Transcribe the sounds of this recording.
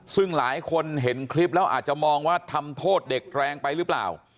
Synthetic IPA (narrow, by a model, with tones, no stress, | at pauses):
sɯ˥˩ŋlaː˩˦jkʰo˧nɦe˩˦nkʰli˦˥p̬̚lɛː˦˥wʔa̰ː˨˩t̪̚t͡ɕa˨˩mɔː˧ŋwaː˥˩t̪ʰa˧mt̪ʰoː˥˩t̪̚de˨˩k̚ɾɛː˧ŋpa˧jɾɯ˦˥pla̰ː˨˩w